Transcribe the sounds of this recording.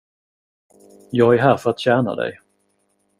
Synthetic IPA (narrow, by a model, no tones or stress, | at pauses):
jɑːɡæɾɦæːɾfœɾat̪ɕæːɳa̰d̪ɛ̰j